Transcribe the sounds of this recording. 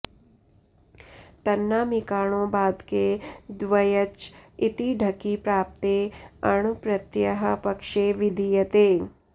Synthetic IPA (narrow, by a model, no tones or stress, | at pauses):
t̪ɐnːaːmɪkaːɽ̃õːbaːd̪ked̪ʋɐjət͡ʃɪt̪iɖʱɐkipɾaːp̚t̪eːɐɳ̃upɾɐt̪jɐɦə̆pɐkʃeːʋɪd̪ʱijɐt̪eː